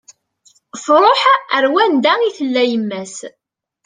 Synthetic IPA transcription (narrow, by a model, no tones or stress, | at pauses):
fɾˤoħəɾwænd̪æiθəlːæjəmːæs